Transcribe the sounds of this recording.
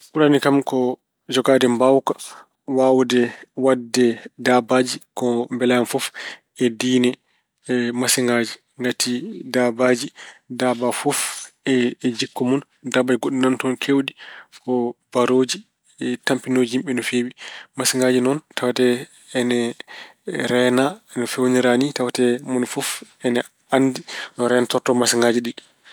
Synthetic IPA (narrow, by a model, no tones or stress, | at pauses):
kulanikamkɔ | d͡ʒɔɡadɛmbawkḁ | wawdɛwadːɛdabad͡ʒikɔmbɛlaanfɔf | ɛdiːnɛ | masiŋɡad͡ʒi | ŋɡatʰidabad͡ʒidabafɔfɛd͡ʒikːɔmɔn | dabad͡ʒiɡoɗinantɔnkʰewdikɔbaɾoːd͡ʒi | tampinod͡ʒihimɓɛnɔfewimasiŋɡaːd͡ʒinɔntʰawatɛː | nɛ | ɾɛnaɛnɔfewniɾanitawatɛmɔnfɔfɛnɛ | andinɔɾɛnatɔɾtɔmasiŋɡad͡ʒiɗi